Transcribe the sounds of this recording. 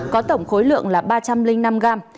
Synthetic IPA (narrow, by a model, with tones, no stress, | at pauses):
kɔ˨˦t̪ə˧˩wŋ͡mxo˨˦jlɨ̰˧˨əŋlaː˨˩ɓaː˧t͡ɕa˧mlï˧ŋna˧mɣaː˧m